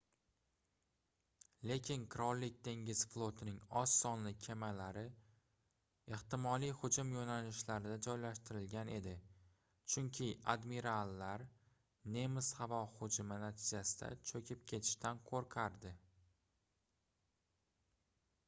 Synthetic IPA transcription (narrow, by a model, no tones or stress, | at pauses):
le̞kʲʰɪnqʰɾɒllɪk̚ʲt̪ʰe̞ŋɡʲɪz̥flˠot̪ʰɪnɪŋɒsːɒnlɪkʲʰe̞malaɾɪ | e̞ht̪ɪmɒlijhʊd͡ʒʊmjonalɪʃlaɾɪd̪ad͡ʒɒjlaʃt̪ɪɾɪlɡʲane̞d̪ɪ | t͡ʃʰʊŋkʲʰɪa̰d̪miɾalːaɾ | ne̞mɪshavɒhʊd͡ʒʊmɪnat̪ʰɪd͡ʒasɪd̪a̰t͡ʃʰɵkʲʰɪp̚kʲʰe̞t̪ʰɪ̥ʃt̪anqʰoɾqʰaɾd̪ɪ